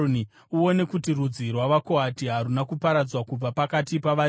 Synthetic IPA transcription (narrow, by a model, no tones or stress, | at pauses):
ni | uo̞ne̞kutirud͡zirwaʋako̞atiɦaɾunakupaɾad͡zwakub͡vapakatipaʋa